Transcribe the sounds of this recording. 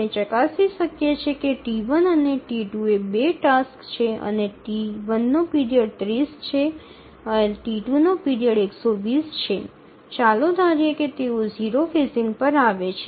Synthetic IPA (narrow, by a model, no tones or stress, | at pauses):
et͡ʃəkasiʃəkjet͡ʃʰekeʈiʋənəneʈiʈuebeʈaskt͡ʃʰeə̰neʈiʋənːopiɾijəɽ̚t̪ɾist͡ʃʰe | əʈiʈunopiɾijəɽeksoʋist͡ʃʰe | t͡ʃalod̪ʱaɾjeket̪eoziɾofesiŋɡpəɾaʋet͡ʃʰe